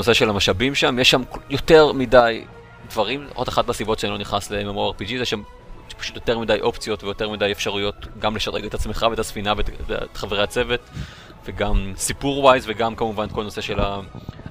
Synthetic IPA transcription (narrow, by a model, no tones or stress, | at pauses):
nose̞ʃelamaʃabimʃamjeʃːamkjo̞te̞ʁmidaj | dvaʁimʔo̰daχatblasibo̞tʃeanilo̞niχnaslemamʁoeʁpid͡ʒizjeʃam | ʃpḁʃu̥t̪jote̞ʁmidajʔo̞pt͡sjo̞tvejo̞te̞ʁmidajefʃaʁujo̞tɡamleʃaʁeɡet̪hat͡smeχaveetasfinavevetχaveʁeat͡se̞ve̞t | veɡamsipuʁwajzveɡamkamuvankolno̞se̞ʃe̞la